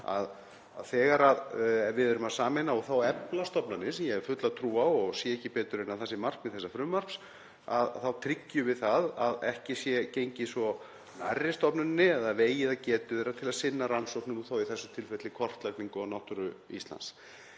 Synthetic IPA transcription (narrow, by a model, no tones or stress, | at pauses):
a̰ð | a̰ðθɛːɣaɾaðvɪðɛɾʏmaðsaːmɪnaɔɣθawɛplast̪ɔpnanːɪsɛmjɛɣɛɾ̥fʏt̪laðt̪ʰɾuːawɔɣsjɛɛhcɪpɛːt̪ʏɾɪnaðθɛsːɪmar̥kmɛðθɛsːafɾʏmːar̥ps | aðθawt̪ʰɾicːʏvɪðθaðaðɛhcɪsjɛcejɲcɪsɔ | narːɪst̪ɔpnanːɪɛðaðveːjɪðacɛːt̪ʏðejɾat̪ʰɪlaðsɪnːaɾansowknʏmuθowiθɛsːʏt̪ʰɪlfɛt̪lɪkʰɔr̥t̪lak̪niŋkʏawnawht̪ʏɾʏḭst̪la̰ns